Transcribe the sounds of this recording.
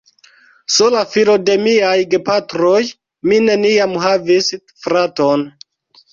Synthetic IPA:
sulafilo̞de̞miajɡepatɾoj | mine̞niamɦavis | fɾaton

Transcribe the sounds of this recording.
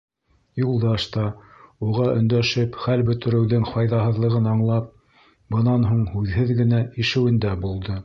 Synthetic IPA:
julˠd̪ɑʃt̪ɑuʁɑʔɵ̆nd̪æʃɘpχælbɵ̆t̪ɘ̆ɾɘ̆wðɘŋfɑjðɑɦɤ̆ðlˠɤ̆ʁɤnɑɴlˠɑp̚ | bɤ̆nɑnɦuɴhʉðhɘðɡɘ̆næiʃɘ̆wɘ̆nd̪æbulˠd̪ɤ

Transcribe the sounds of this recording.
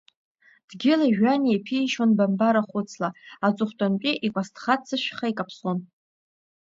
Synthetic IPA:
d̥ɡʲɪlaʒᶣanejpʰiːʃonbambaɾaχʷʊt͡sʰlaat͡sʼʊχʷtʼant͡ʃʼiʔikʷʼastʰʼχat͡sʰɨʃᶣχaikʼapʰson

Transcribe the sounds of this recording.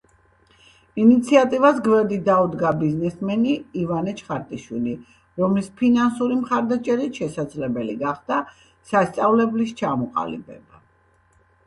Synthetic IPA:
init̪sʰiat̪ʼivasɡvɛɾd̪id̪aud̪ɡabiznɛsmɛniːvanɛt͡ʃʰχaɾt̪ʼiʃwili | ɾɔmlispʰinansuɾimχaɾd̪at͡ʃʼɛɾit̪ʃɛsad̪zlɛbɛliɡaχd̪a | sast̪sʼavlɛblist͡ʃʰamɔqʼa̰lḭbɛ̰ba

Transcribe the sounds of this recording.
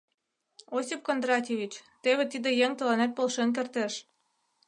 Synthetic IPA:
osʲip̚kond̪ɾɑtʲeβʲit͡ɕt̪eβet̪id̪ĕjeŋt̪ɤ̆lɑnæt̪̚polʃenk̬ert̪eʃ

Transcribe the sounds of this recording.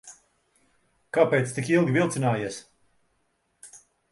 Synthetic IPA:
kapɛjt̪st̪ikilˠɡʲivʲilˠt̪sinaːjiɛs

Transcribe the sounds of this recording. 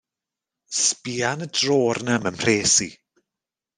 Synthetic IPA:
spiːanədroːrnəməmr̥eːsi

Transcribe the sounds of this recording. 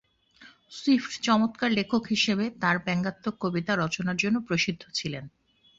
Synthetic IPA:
swifʈt͡ɕɔmot̪kaɾlekʰokɦiʃebet̪aɾbɛŋɡat̪ːokːobit̪aɾɔt͡ɕonaɾd͡ʑonːopɾoʃid̪ʱːot͡ɕʰilen

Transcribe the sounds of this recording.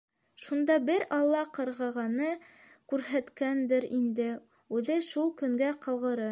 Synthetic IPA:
ʃund̪ɑbɘɾɑlˠːɑqɤ̆ɾʁɑʁɑnɤ | kʉɾɦæt̪kænd̪ɘɾind̪ɘ | ʉðɘʃulˠkɵ̆ŋɡæqɤ̆lˠʁɤ̆ɾɤ

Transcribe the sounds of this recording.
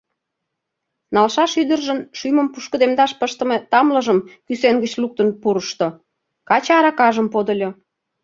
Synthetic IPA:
nɑlʃɑʃyd̪ə̆rʒə̆nʃyjmə̆mpuʃkə̆d̪emd̪ɑʃpəʃt̪ə̆met̪ɑmlə̆ʒəmkysenɡət͡ɕluk̚t̪ənpuɾəʃt̪o | kɑt͡ɕɑɾɑkɑʒəmpod̪əlʲo

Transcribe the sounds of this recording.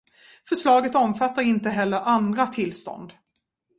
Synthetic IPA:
fœʂɭɑːɡət̪ɔmfat̪ːaɾɪnt̪əɦɛlːəɾʔand̪ɾat̪ʰɪlːst̪ɔ̰nd̪

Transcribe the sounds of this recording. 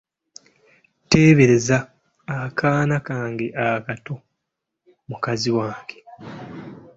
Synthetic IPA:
te̞ːβeɾezaː | kʰaːnakaːŋɡeʔakato̞ | mukaziwaːŋɡe̥

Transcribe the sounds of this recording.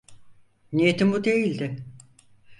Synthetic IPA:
nijet̪ʰimbud̪ejilʲd̪ɪ

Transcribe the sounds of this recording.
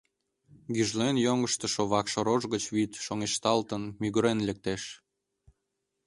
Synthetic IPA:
ɡyʒlenjoŋəʃt̪ə̆ʃoβɑkʃoɾoʒɣət͡ɕβit̪ʃoŋeʃt̪ɑlt̪ənmyɣəɾenlek̚t̪eʃ

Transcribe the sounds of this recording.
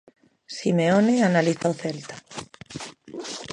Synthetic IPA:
simeoneanaliθowθelt̪a

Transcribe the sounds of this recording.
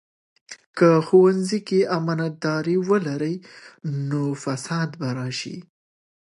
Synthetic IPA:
kəxowanzikeamanat̪̚d̪ɑɾiwəlaɾəjnofasɑd̪baɾɑʃḭ

